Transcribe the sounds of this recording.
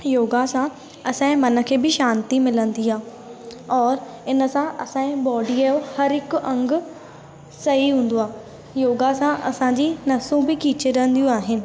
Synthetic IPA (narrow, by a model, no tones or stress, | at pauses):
joːɡasã | ɐsãːmɐnə̆kʰeːbɪʃãːnt̪imɪlə̃nd̪iaː | ɔːɾ | ɪnə̆sãʔɐsãːẽbɔːɖiəjohɐɾɦɪkʊɐ̃ŋɡʊ̆ | sɐɦiɦũːn̆d̪oaː | joːɡasãʔɐ̰sãɲd͡ʑinɐsũbɪkiːt͡ɕeɾəə̃n̆d̪ijũaːɦɪnɪ̆